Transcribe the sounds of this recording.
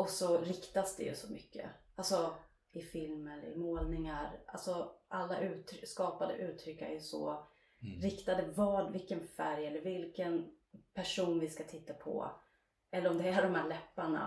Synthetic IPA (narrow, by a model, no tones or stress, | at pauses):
ɔsɔɾɪkt̪asd̪ɛ̰jɵ̰sɔmʏkːə̰alsɔ | ɪfɪlmɛɾɪ̰moːlnɪŋaɾʔa̰lsɔʔalːaʔʉ̟ːt̪ʰɾʏskɑːpad̪ə̰ʔʉ̟ːt̪ʰɾʏkːæ̰ɾjsɔ̰ | ɾɪkt̪ad̪əvɑːɖvɪlkənfæɾjɛlːəɾvɪlkən | pʰæʂuːnvɪskat̪ʰɪt̪ːapʰɔ̰ | ʔɛlːəɾɔmd̪ɛæɖɔmhæːɭɛpːaɳa̰